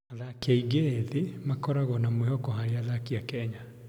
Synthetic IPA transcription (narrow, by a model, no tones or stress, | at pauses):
aðakiaiɡeðimakɔɾaɣɔnamwehɔkɔɦaɾeaðakiakɛɲa